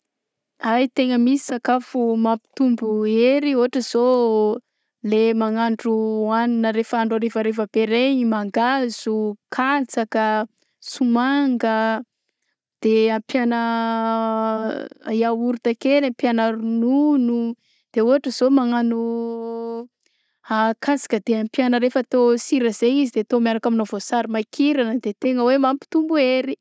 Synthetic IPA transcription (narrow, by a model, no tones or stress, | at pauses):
ajt̪eŋəmisi̥sakafumampi̥t̪umbueɾioɦaʈ͡ʂəz̥o | lemaŋaɳɖ͡ʐuaninəɾefaɳɖ͡ʐaɾefəɾefəb̥eɾeɲimaŋɡaz̥ukʰat͡sakə | sumaŋɡə | d̪̥eampjanə | jawuɾut̪akenampjanaɾununu | d̪̥euɦaʈ͡ʂəzomaŋanu | akʰasḁkəd̪̥eampjanəɾefat̪osiɾəzeizid̪et̪omiaɾakaminovosaɾimajkʰiɾanəd̪et̪eŋəwemampi̥t̪umbueɾi